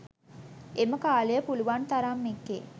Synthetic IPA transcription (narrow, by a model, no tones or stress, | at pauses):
eməkaːlejəpuluʋant̪aɾamːekːḛ